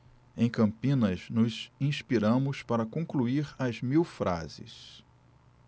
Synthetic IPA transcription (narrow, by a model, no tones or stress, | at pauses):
ẽj̃kɐ̃mpĩnɐznʊzĩspiɾɐ̃mʊspaɾɐkõkluiɾɐzmiwfɾa̰zɪ̰s